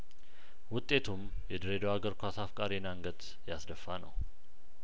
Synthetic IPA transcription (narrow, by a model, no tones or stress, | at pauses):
wʊt̪ʼːe̞t̪ʰum | jɛd̪əɾed̪oaɡəɾkʷʰasafkʼaɾinaŋɡət̪ | jasd̪əfːanə̰w